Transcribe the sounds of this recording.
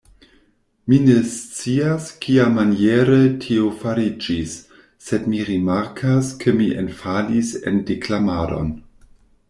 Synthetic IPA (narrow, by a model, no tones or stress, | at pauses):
minest͡siaskiamanjeɾetʰiofaɾid͡ʒisː | edmiɾimaɾkʰaskʰemiʔḛnfalisḛndiklamado̞̰n